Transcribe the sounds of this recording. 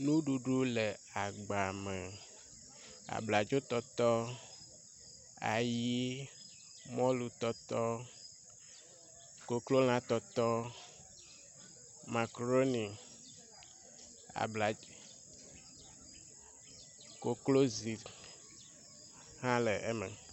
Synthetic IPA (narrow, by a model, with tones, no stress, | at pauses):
nũ˦ɖu˨ɖu˦le˨a˨ɡ͡ba˨mɛ˨ | a̰˨bla˨d͡ʒo˦t̪ɔ˦t̪ɔ˦ | a̰˨ji˦ | mɔ̃˦lu˨t̪ɔ˦t̪ɔ˦ | ko˨klo˦l̃ã˦t̪ɔ˦t̪ɔ˦ | ma˨kɾo˦ni˨ | a̰˨bla˨˦ | ko˨klo˦zi˨ | hã˦le˨ʔe˦mɛ̰˨